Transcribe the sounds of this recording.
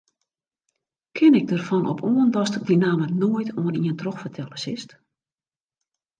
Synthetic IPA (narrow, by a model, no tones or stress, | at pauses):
kʰɪnɪɡ̚dərfɔnʔɔ̰pʰoəndɔstɪk̚dinaːmənoəjtʰoənḭəntroxfərtʰɛləsɪst